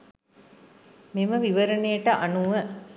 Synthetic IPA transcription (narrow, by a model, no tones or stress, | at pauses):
miməʋiʋəɾənejəʈəʔanuʋə